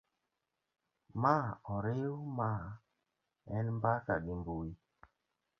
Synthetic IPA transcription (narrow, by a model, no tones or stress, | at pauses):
maɔɾejumaː | ɛlmbaka̰ɗimbuwi